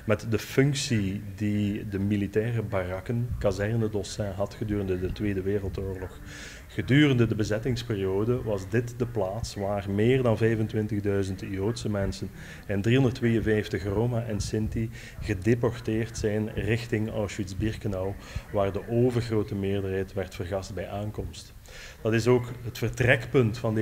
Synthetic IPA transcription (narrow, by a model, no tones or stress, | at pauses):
mɛtdəfɵŋksididəmilitɛːrəbarɑkənkazɛrnədɔsɛɦɑtxədyːrəndədətʋeːdəʋeːrəlˠtoːrlɔx | ɣədyːrəndədəbəzɛtɪŋspeːrioːdəʋɑzdɪtdəplaːtsʋaːrmɪːrdɑnvɛjvəntwʋɪntəɣdœɥzəntijoːtsəmɛnsən | ɛndriɦɔndərtʰːʋeːjənvɛjftəxroːmaʔɛnsɪnti | ɣədepɔrteːrtsɛjnrɪxtɪŋa̰wʃwitzbirkənawʋaːrdəʔoːvərɣroːtəmɪːrdərɦɛjtʋɛrtfərɣɑst̚bɛjʔaːŋkɔmst | d̥ɑtɪsoːkɦətfərtrɛkpɵntfɑnd